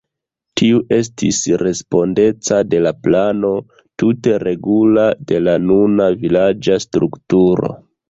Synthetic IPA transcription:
tʰiuʔe̞s̬tḭsɾe̞spo̞nde̞t͡sade̞laplano̞ | tute̞ɾe̞ɡulade̞lanunavilad͡ʒastɾuktuɾo̞̰

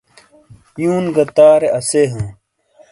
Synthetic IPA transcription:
juːnɡɐt̪aːɾeʔɐseɦɐ̃ː

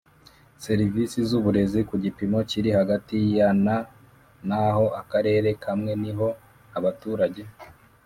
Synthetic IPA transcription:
se̞ɾivisizuβuɾe̞zikuɟipimo̞ciɾihaɡatijana | naɦo̞ʔakaɾe̞ːɾe̞kʰamŋe̞niɦo̞ | aβatuːɾaɟe̞

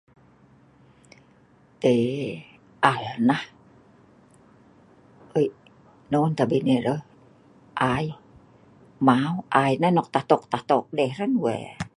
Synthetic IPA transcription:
t̪e | ʔalnah | əi | nɔnt̪abineɾə | ʔaj | mauʔainanɔk̚t̪aht̪ɔk̚t̪aht̪ɔk̚dɛhɾənwɛ̰

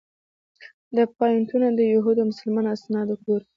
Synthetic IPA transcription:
d̪əpɑjɪnt̪unad̪əjuɦud̪omʊsəlmɑnoasnɑd̪okoɾ

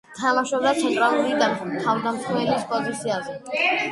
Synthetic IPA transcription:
t̪ʰamaʃɔbd̪at̪sʰɛnt̪ʼɾalˠuɾik̪ʼant̪ʰavd̪amt̪ʰɛɾɛbispʼɔzit̪sʰiazɛ

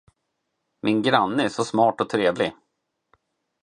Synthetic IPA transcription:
mɪnɡɾanːəæʂɔsmɑːʈɔt̪ʰɾeːvlɪ

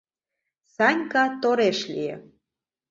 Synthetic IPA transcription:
sɑnʲkɑt̪oɾeʃliḛ

